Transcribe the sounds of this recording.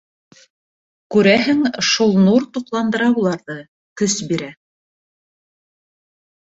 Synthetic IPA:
kʉɾæɦɘŋʃulˠnuɾt̪uqlˠɑnd̪ɤ̆ɾɑbulˠɑɾðɤ | kɵsbiɾæ

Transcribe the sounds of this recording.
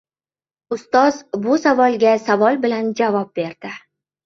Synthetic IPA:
ʊst̪ɒzbʊsavɒlˠɡʲasavɒlˠbɪland͡ʒavɒp̚be̞ɾd̪̥ɪ

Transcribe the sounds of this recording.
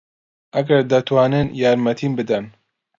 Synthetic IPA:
ʔɐɡɐɾd̪ɐt̪ʰwaːnɨnjaːɾmɐt̪ʰiːnbɨd̪ɐn

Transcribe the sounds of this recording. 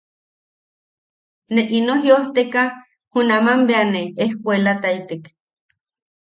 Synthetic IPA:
neʔinoɦjoht̪eka | hunamambeaneehkʷelat̪ait̪ek

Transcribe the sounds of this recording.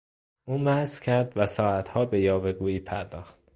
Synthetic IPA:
ʔuːmæhzkcʰæɾd̪væsɒːæt̪hɒːbe̞jɒːbeɡuːiːpʰæɾd̪ɒːxt̪̚

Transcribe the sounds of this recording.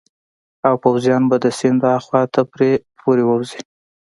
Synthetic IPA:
awpawzjɑnbad̪əsɪnd̪ɾɑxwɑt̪ʰapɾepʰoɾewəwzi

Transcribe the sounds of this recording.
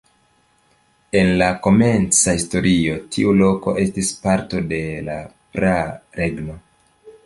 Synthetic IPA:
e̞nlako̞me̞nt͡sahisto̞ɾʔio̞tʰiulo̞ko̞̰ʔe̞stispaɾto̞de̞la̰pɾaɾe̞ɡno̞

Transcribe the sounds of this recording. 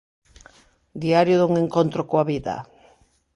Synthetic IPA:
d̪iaɾjʊðuŋeŋkont̪ɾokoaβiða̰

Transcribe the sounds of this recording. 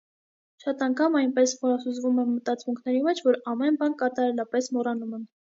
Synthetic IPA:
ʃɑt̪ɑŋkʰɑmɑjnpɛsmɔɾɑsuzvumɛmət̪ɑt͡smuŋkʰnɛɾimɛt͡ʃʰvɔɾɑmɛnbɑnkɑt̪ɑɾɛlɑpɛsmɔrɑnumɛn

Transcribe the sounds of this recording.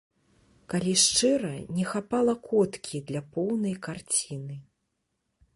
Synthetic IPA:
kalʲiʂt͡ʂɨɾɐnʲɛxapalˠɐkʰɔt̪kʲʰid̪lʲapɔwnɐjkart͡sʲinɨ

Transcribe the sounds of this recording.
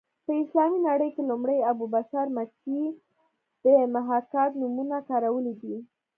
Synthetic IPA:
pəɪslɑminaɽəjkelumɽəjabubaʃaɾmati | d̪̥əmaɦakat̪numunakɑɾawəlid̪i

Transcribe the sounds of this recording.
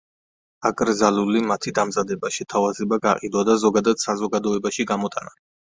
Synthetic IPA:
akʼɾzalulimat̪ʰid̪amzad̪ɛbaʃɛt̪ʰavazɛbaɡaqʼid̪wad̪azɔɡad̪ad̪̥sazɔɡad̪ɔɛbaʃiɡamɔt̪ʼana

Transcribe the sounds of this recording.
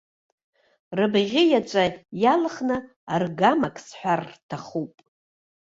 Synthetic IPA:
rɨbʁʲɪjat͡ʃʷʼajalχnɨ | arɡamakʼsħʷᶣarːtʰaχupʼ

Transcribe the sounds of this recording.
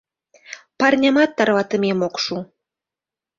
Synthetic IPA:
pɑrnʲɑmɑt̪ːɑrβɑt̪ə̆mʲemokʃu

